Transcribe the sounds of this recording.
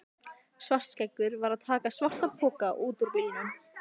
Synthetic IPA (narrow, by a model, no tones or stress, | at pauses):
svar̥t̪scɛkvʏɾvaɾaðt̪ʰaːkasvar̥t̪ḁpʰɔːkaʔuːt̪ʏɾpɪːjɪnʏm